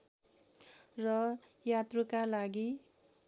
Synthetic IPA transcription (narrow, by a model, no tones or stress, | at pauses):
rʌ | jat̪rukalaɡi